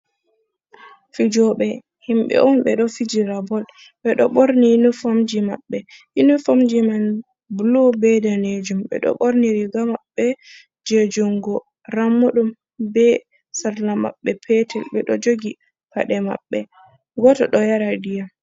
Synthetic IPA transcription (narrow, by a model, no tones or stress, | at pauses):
fid͡ʒɔɓɛ | himɓɛ̰ʔɔnɓɛɗɔfid͡ʒiɾabɔl | ɓɛɗɔɓoɾninufamd͡ʒima̰ɓːɛʔinufamd͡ʒiman | blobɛdaned͡ʒumɓɛ̰ɗɔ̰ɓoɾniɾiɡamaɓːɛ | d͡ʒed͡ʒuŋɡɔ | ɾamːuɗum | bɛ | saɾnama̰ɓːɛpʰɛtɛlɓɛɗɔd͡ʒoɡi | pa̰ɗɛma̰ɓːɛ̰ | ɡɔtɔ̰ɗɔjaɾadija